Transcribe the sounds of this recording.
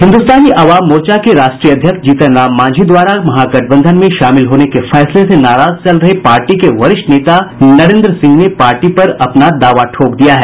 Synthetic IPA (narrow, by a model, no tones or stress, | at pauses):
ɦɪ̃nd̪ust̪aːniʔɐʋaːmːoːɾt͡ʃakeɾaːʃʈɾiːjɐd̪ʱjəksd͡ʒiːt̪ənaːmːãːd͡ʒʱid̪ʋaːɾamɐɦaɡɐʈʰbə̃nd̪ʱənmẽʃaːmɪlɦoːnekefɛːslesenaːɾaːzt͡ʃɐlɾɐɦepaːɾʈikeʋɐɾɪʃʈneːt̪anɐɾẽːnd̪ɾəsɪ̃ŋɡnepaːɾʈipɐɾɐpnad̪aːʋaʈʰoːkd̪ijaɦɛː